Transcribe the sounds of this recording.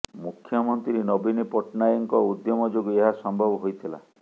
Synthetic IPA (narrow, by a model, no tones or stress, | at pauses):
mukʰːjɔmɔnt̪ɾiɾinɔbinipɔʈnajɔŋkɔud̪jɔmɔd͡ʒoɡɔeɦasɔmbʱɔbɔɦojt̪ʰila̰